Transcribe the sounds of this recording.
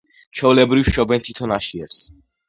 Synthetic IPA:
t͡ʃʰɛulɛbɾifʃɔbɛnt̪ʰi̥t̪ʰɔnaʃiɛɾs

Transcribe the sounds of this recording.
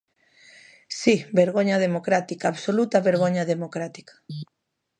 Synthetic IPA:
sibeɾɣ̞oɲað̞emokɾat̪ikaaβsolut̪aβeɾɣ̞oɲaðemokɾat̪i̥kḁ

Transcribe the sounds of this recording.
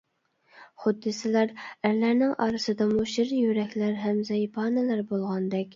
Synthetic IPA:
χʊd̪ːɨsɪlˠɑɾæɾlæɾnɪŋʔɑːɾɨsɨd̪ɑmuʃɪɾjyɾɛkʲlæɾɦɛmzɛjpʰɑnɨlæɾbolˠʁɑnd̪ɛkʲ

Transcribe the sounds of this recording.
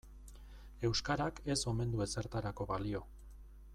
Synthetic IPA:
e̞wskaɾake̞so̞mẽ̞nd̪ue̞se̞ɾt̪aɾako̞βalio̞

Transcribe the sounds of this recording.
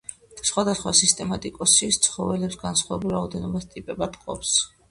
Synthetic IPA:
sχwad̪asχwasist̪ʼɛmat̪ʼikʼɔsit̪sʰχɔvɛlɛpsɡansχwavɛbulˠɾaɔd̪ɛnɔbast̪ʼipʼɛbat̪ʰqʼɔ̰ps

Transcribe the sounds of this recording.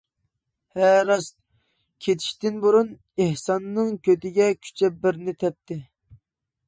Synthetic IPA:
hɛɾɑst̪ | kʲʰet̪ʰi̥ʃt̪ɪnbuɾun | ehsɑnːɨŋkʲʰøt̪ɪɡʲɛkʲʰy̥t͡ʃʰɛbɪɾnɪt̪ʰɛp̚t̪ʰɪ

